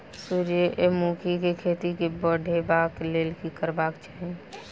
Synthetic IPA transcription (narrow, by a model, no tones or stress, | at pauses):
suɾjeʔemukʰikekʰet̪ikebəɽʱebakleːlkikəɾbakt͡ʃaːɦe